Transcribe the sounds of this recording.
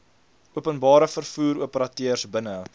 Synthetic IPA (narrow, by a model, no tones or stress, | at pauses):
uəpənbɑːɾəfərfuːɾuəpəɾɐtøərsbənə